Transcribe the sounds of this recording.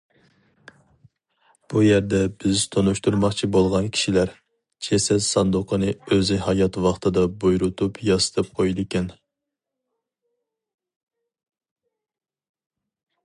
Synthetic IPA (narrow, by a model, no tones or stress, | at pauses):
b̥ujæɾd̪ɛbɪzt̪ʰonuʃt̪uɾmɑχt͡ʃʰibolˠʁɑnkʲʰi̥ʃilæɾ | t͡ʃʰɛsɛlsɑnd̪ʊqʰənɨøzɪhɑjɑt̪wɑχt̪ʰɨd̪ɑbojɾut̪ʰupʰjɑsɨ̥t̪ʰɨp̚qʰojd̪ɪkʲɛn